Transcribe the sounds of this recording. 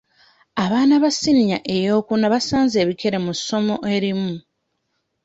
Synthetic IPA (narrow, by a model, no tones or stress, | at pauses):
aβaːnaβasiniɲa̰ʔe̞jo̞ːkunaβasaːnze̞ːβikʰe̞ɾe̞musːo̞mo̞ʔe̞ɾimu